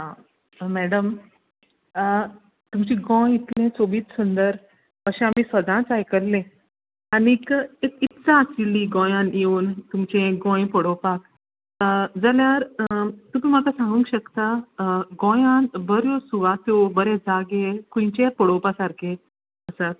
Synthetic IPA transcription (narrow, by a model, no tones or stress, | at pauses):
ã | mæɽəm | t̪umt͡ɕiɡõjit̪lẽt͡soʋiːt͡ssund̪əɾ | əɕẽamisʋəd̪ãt͡sajkəɾlẽ | anikekit̪t͡saəsilːiɡõjãnjeuːnt̪umt͡ɕẽɡõjpɔɽowpak | d͡zaljaɾt̪umĩməkasãŋɡũŋkɕəkt̪aɡɔ̃jãnbəɾjosuʋat̪obəɾed͡zaɡekũt͡ɕepɔɽopasaɾkʰe | əsat̪̚